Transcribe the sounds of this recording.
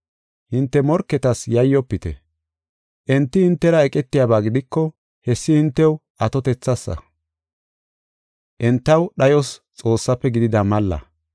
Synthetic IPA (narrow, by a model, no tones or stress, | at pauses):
hɪnt̪ːɛmɔɾkːɛt̪ɐsjɐjːɔpːɪt̪ɛ | ʔɛnt̪ːɪhɪnt̪ːɛɾɐɛkʼɛt̪ːɪjaːbaːɡɪd̪ɪkːɔ | hɛsːɪhɪnt̪ːɛw | ɐt̪ɔt̪ɛt͡sːɐsːɐ̰ | ʔɛnt̪ːɐwɗɐjɔst͡sʼo̞ːsːɐpːɛɡɪd̪ɪd̪ɐmɐlːɐ̰